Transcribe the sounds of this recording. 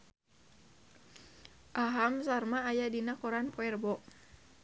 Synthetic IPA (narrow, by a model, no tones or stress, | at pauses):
ʔaɦamsarmaːjadinakɔɾanpɔɛrbɔʔ̚